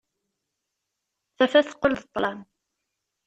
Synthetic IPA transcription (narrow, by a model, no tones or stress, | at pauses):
θæfæθə̥qːəlðət̪ˤːlɑm